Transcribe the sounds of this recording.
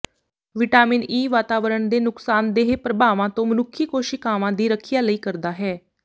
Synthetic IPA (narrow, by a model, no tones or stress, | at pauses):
ʋɪʈaːmɪniːʋaːt̪aːʋəɾəɳd̪eːnʊksaːnd̪eːɦpɾəbʱaːʋãːt̪õːmənʊkʰːiːkoːʃikaːʋãːd̪iːɾəkʰɪjaːləiːkəɾd̪aːɦɛː